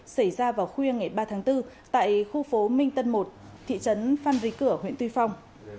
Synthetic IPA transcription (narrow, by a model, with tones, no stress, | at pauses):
sa˧˩jzaː˧vaː˨˩wxwi˧əŋa˨˩jɓaː˧t̪ʰaː˨˦ŋt̪ɨ˧t̪a̰ː˧˨jxu˧fo˨˦mï˧ŋ̟t̪ə˧nmo˨˩t̚ | t̪ʰḭ˧˨t͡ɕə˨˦nfaː˧nzi˨˦kɨ˧˩əɦhḭ˧˥ənt̪wi˧fa˧wŋ͡m